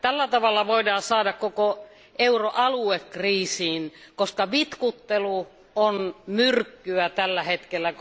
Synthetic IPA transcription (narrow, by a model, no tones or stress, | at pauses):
t̪ælːæt̪ɑʋɑlːɑʋoidɑːsɑːdɑkkoko | euroʔɑluekːriːsiːnkoskɑʋit̪kut̪ːelu | onmyrkːyæt̪ælːæhet̪kelːæ